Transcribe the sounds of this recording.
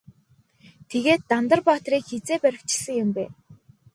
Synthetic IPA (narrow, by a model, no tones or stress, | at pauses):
t̪ʰeɣeːt̪ːant̪ə̆rpɔːt̪riːkxet͡seːpæɾʲɪ̆kt͡ɕɪ̥̆ɮsə̆ŋjʊ̆mpæː